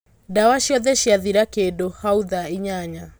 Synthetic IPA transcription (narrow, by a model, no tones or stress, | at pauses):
dawaɕjɔðɛɕjaðiɾakedohauðaiɲaɲa